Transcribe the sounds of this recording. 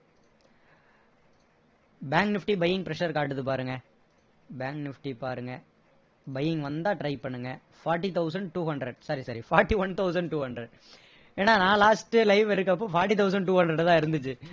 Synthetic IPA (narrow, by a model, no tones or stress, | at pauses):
baːŋknɪfʈibɐjːɪ̃ŋɡ̚pɾɛʂɐɾkaːʈːɯt̪ːɯpaːɾɯŋɡɐ | baːŋknɪfʈipaːɾɯŋɡɐ | bɐjɪ̃ŋɡʋɐnd̪aːʈɾɐɪpɐɳːɯŋɡɐ | faːɾʈːit̪ɐʊsɐɳɖ̚ʈuːɦɐɳɖɾɐɖsɐɾisɐɾifaːɾʈːiʋɐnt̪ɐʊsɐɳɖʈuːhɐɳɖɾɐɖ | eːnːaːnãːlaːsʈɯlɐɪʋɪɾɯk̬ːɐp̬ːõːfaːɾʈːit̪ɐʊs̬ɐɳɖʈuːɦɐnɖɾɐɖt̪ãːɪɾɯnd̪ɯt͡ʃːɯ